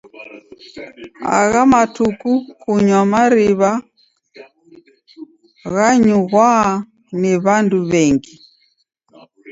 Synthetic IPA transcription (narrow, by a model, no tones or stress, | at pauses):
a̰ɣamatukukuɲwamaɾiβa | ɣaɲuɣwa | nɛβanduβɛŋɡi